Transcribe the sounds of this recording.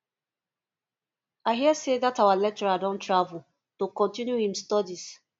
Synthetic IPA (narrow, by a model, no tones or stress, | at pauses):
aɪɦiəseðatawalɛk̚t͡ʃɛɹadɔ̃ntʰɹavul̩ | tokɔ̃ntĩnjuhĩmstɔdis